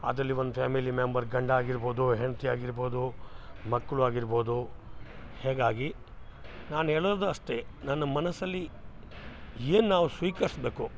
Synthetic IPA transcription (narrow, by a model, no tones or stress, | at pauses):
ɐ̰d̪ɾɐlːiʋond̪upʰaːmilimembɐɾɡɐɳɖaːɡiɾboːd̪uɦeɳɐt̪ijaːɡiɾboːd̪umɐkːɐɭuaːɡiɾbo̞ːd̪u | hɛːɡaːɡi | naːnɦeːɭɐɐd̪ɐɐʂʈ̪e̞nɐnːɐmɐnɐsɐlːi | eːnnaːʋusʋiːkɐɾisbe̞ːku